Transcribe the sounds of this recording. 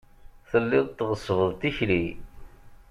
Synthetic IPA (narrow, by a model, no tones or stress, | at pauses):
θəlːɪðˤt̪ːʁəsvəðˤt̪içli